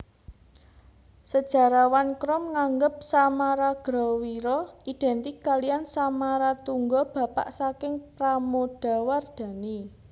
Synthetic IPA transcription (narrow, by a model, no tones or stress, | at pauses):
səd̥ʒ̥a̤ɾawankɾɔmŋaŋɡəp̚samaɾaɡ̥ɾɔwiɾɔid̪̥ɛ̤nt̪ikalijansamaɾat̪uŋɡɔb̥ä̤pa̰ʔsakɪŋpɾamod̥a̤ward̪̥ä̤ni